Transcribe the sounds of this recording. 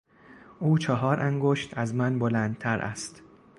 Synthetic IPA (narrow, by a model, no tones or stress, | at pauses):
ʔuːt͡ʃʰɒɦɒːɾʔæŋɡoʃt̪ʰæzmænbolænd̪̥̚t̪ʰæɾʔæ̰st̪